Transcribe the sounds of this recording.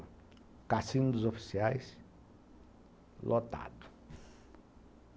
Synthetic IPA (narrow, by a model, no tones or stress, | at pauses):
kasĩnd̪ʊzofi̥siajs | lʔot̪a̰d̪ʊ̥